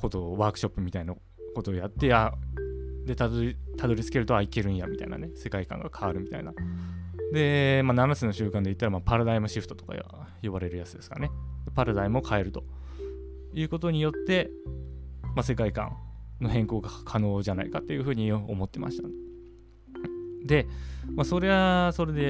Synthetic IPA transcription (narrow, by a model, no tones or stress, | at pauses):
ko̞t̪o̞βaːkɯ̟̥ɕo̞pːɯ̟mʲit̪aina | ko̞t̪o̞ːjat̪ːe̞a | d̪e̞t̪at̪ʰad̪o̞ɾʲit͡sɨ̥ke̞ɾɯ̟t̪o̞aike̞ɾɯ̟̃ɰ̃jamʲit̪aina̰ne̞se̞kaikã̰ŋɡakʰaβaɾɯ̟mʲit̪aina | d̪e̞mananasɨno̞ɕɨːkãnd̪e̞it̪ːaɾamapaɾad̪aimɯ̟ɕiɸɯ̟̥t̪o̞t̪oka̰ḭa̰ | joβaɾe̞ɾɯ̟jat͡sɨd̪e̞sɨ̥kane̞d̪e̞paɾad̪aimokʰae̞ɾɯ̟t̪o̞̥ | jɯ̟ːko̞t̪o̞ɲ̟ijo̞t̪ːe̞ | mase̞kaikã̰nno̞hẽ̞ŋko̞ːɡakʰano̞ːʑana̰ikat̪ːe̞jɯ̟ɸɯ̟ːɲ̟io̰mo̞t̪ːe̞ma̰ɕi̥t̪a | d̪e̞maso̞ɾe̞aso̞ɾe̞d̪e̞